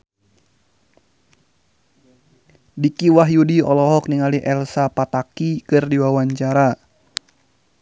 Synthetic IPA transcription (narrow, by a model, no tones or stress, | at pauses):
dikiwaɦjudiɔlɔɦɔk̚niŋaliʔɛlsapat̪akikɨrdiwawaɲt͡ʃaɾa